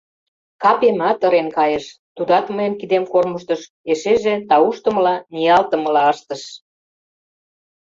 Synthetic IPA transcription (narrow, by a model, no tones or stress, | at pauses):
kɑpemɑt̪ɤ̆ɾenkɑjeʃt̪ud̪ɑt̪məjəmkid̪emkorməʃt̪ə̆ʃ | eʃeʒet̪ɑuʃt̪ə̆məlɑnijɑlt̪ə̆mə̆lɑɑʃt̪ə̆ʃ